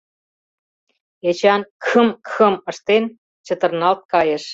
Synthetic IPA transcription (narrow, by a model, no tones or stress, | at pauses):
et͡ɕɑnkʰə̆mkʰə̆mə̆ʃt̪en | t͡ɕə̆t̪ə̆rnɑlt̪̚kɑjeʃ